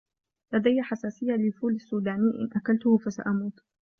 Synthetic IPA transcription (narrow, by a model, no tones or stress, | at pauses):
lad̪ajːaħasaːsɪjːalɪlfuːlasːuːd̪aːnɪʔɪ̰nʔakalt̪ʊhfasa̰ʔamuːt̪